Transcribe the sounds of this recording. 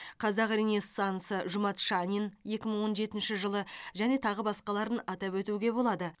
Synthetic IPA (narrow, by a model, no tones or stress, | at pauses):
qʰɑzɑqɾenest̪ɑnsəʒʊmɑt̪ʃɑnʲinje̞kʲɪməɴwo̞nʒe̞t̪ɪnʃɪʒəlˠəʒæne̞t̪ʰɑʁəbɑsqɑlˠɑɾənɑt̪ɑpwɵt̪uɡʲe̞bo̞lˠɑd̪ə